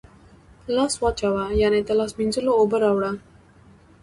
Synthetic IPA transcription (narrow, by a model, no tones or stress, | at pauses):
lasʋat͡ɕaʋajanet̪əlasmind͡zeloobəɾaʋɽa